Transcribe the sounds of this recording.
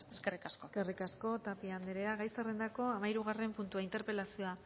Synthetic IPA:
eskerikaskoskerikasko̞t̪apiand̪eɾeaɣajserend̪ako̞amaiɾuɣ̞are̞mpunt̪uaint̪e̞ɾpe̞lasio̞a

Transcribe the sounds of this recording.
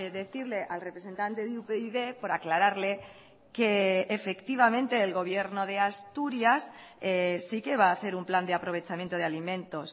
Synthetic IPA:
ðe̞θiɾle̞ʔalrepɾese̞nt̪ant̪e̞ðupeiðe̞po̞ɾaklaɾaɾle̞ | ke̞ːfe̞kt̪iβ̞amẽnt̪eːlɣo̞β̞je̞ɾno̞ð̞e̞ast̪uɾjasesike̞βaːθe̞ɾumpland̪eapɾo̞β̞e̞t͡ʃamjent̪oð̞ealimẽnt̪o̞s

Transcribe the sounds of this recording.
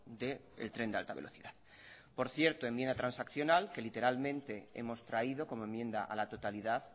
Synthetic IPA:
d̪e̞ḛlt̪ɾe̞nd̪ea̰lt̪aβe̞lʔo̞θiðað | po̞ɾθje̞ɾt̪oe̞mjend̪at̪ɾansakθjo̞nalke̞lit̪e̞ɾalmẽ̞nt̪e̞e̞̰mo̞st̪ɾaiðo̞ko̞moe̞mːjẽ̞nd̪aʔa̰lat̪ot̪aliðaθ

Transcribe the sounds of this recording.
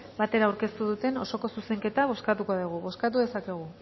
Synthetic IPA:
bat̪e̞ɾaːwɾke̞st̪uðut̪e̞no̞so̞ko̞suse̞ŋke̞t̪aβ̞o̞skat̪uko̞ðuɣ̞uβo̞skat̪̬uðe̞sake̞ɣ̞u

